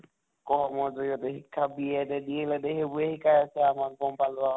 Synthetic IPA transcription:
kɔɦɔmɔɹzodiɔtɛɦikʰːabiɛdɛdielɛdɛɦebuehikʰajasɛamak̚bɔmpalba

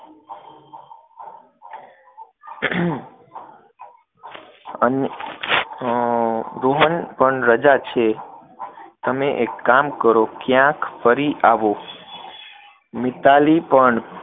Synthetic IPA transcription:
ən | ɾoɦənpəɳɾəd͡ʒat͡ʃʰe | t̪əmeʔekːamkəɾokjãkpʰəɾiʔaʋo | mɪt̪alipəɳ

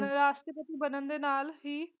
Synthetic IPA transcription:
nɾaːʃʈɾəpət̪ibənənd̪enaːlɦiː

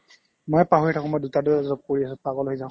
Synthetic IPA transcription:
mojpaɦoɹitʰakɔ̃mojdutadʊzɔp̚koɹiasʊ̃paɡɔloɦizã

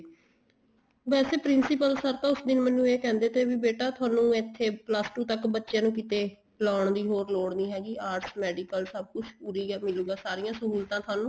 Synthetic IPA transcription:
bɛːseːpɾɪnsɪpəlsəɾt̪ãːʊsd̪ɪnmənːũːeːkɛ̃ːnd̪eːt̪ʰeːbiːbeːʈaːt̪ʰʊaːnũːɪt̪ʰːeːpləsʈuːt̪əkbətːʃãːnũːk̬ɪt̪eː | laːɳd̪iːɦoːɾloːɽniːɦɛːɡiːaːɾʈsmɛːɖiːkəlsəb̚kʊd͡ʒpuːɾiːɡamɪluːɡaːsaːɾɪjãːsəɦuːlt̪ãːt̪ʰʊaːnũː

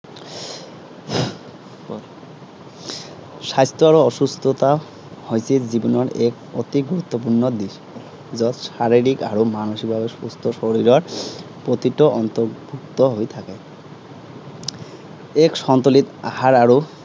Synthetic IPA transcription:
sajst̪ɔaɾoɔʃust̪ʰɔt̪a | hojsʰezibɔnɔɾek | ɔt̪iɡuɾut̪ːɔp̬uɾnɔd̪iʃ | zɔt̪saɾiɾikaɾomanoʃik̚bʱabespost̪ʰɔʃoɾiɾɔɹpot̪iʈɔʔɔnt̪ɔɾbʱuk̚t̪ɔɦojt̪ʰake | ekʃɔnt̪olit̪a̰ɦaɾaɹo

